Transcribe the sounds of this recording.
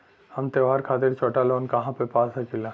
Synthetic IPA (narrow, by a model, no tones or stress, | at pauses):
hɐmt̪eʋɦaːɾkʰaːt̪ɪɾt͡ʃɔːʈalɔːnkɐɦãpepaːsɐkɪla